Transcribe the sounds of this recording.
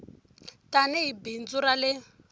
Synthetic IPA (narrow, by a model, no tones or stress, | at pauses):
tanɛɦibind͡zuɾalɪ